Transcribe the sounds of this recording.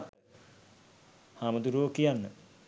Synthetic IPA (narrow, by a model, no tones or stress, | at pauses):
t̪ə | haːməd̪uɾoːkijanːə